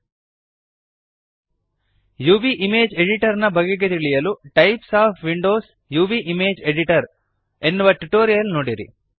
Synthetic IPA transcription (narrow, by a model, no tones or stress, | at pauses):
juːbiʔimeːd͡ʒeɖiʈɐɾnɐbɐɡeɡet̪iɭijɐluʈɐjpsaːpʰʋiɳɖo̞ːs | juːbiʔimeːd͡ʒeɖiʈɐɾ | e̞nːuʋɐʈuʈoːɾijɐlnoːɽiɾḭ